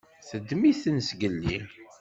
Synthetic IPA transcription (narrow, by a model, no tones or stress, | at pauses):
θəd̪ːmiθənsɡəlːi